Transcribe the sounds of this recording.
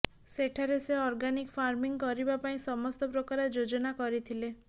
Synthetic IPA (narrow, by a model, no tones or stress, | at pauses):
seʈʰaɾeseɔɾɡanikfʰaɾmiŋkɔɾibapaĩsɔmɔst̪ɔpɾɔkaɾɔd͡ʒod͡ʒɔnakɔɾit̪ʰile